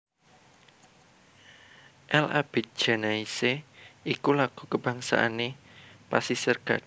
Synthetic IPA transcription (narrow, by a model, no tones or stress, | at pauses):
ʔɛla̰b̥e̤t̪̚d̥ʒ̥a̤naiseikulaɡ̥ṳkəb̥a̤ŋsa̰ʔanepasisərɡ̥a̰t̪̚